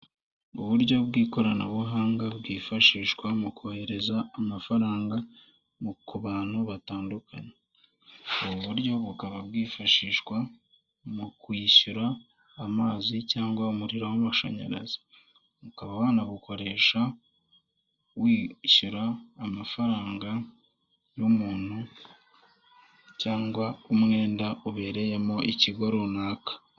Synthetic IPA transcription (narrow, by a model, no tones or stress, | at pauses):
uβuɾɟo̞bɡiːko̞ɾanaβuɦaːŋɡabɡiːfaʃiːʃkwamukuhe̞ɾe̞zaːmafaɾaːŋɡa | mukuβaːnhuβataːndukʰaɲe | uβuβuɾjo̞βukaβabɡiːfaʃiːʃkwa | mukwiɕuɾaː | maːzicaːŋɡwaumuɾiɾohamuʃa̰ɲa̰ɾa̰zi̥ | βukaβaβaːnaβuko̞ɾe̞ːʃa | wiːɕuɾaːmafaɾaːŋɡa | jomuːn̥hu | caːŋɡwaumŋe̞ːndauβe̞ːɾe̞jemo̞ʔiciɡoɾonaːkḁ